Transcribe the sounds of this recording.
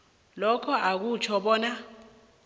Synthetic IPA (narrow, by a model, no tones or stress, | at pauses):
lɔkʰɔʔak̬ut͡ʃʰɔɓɔːna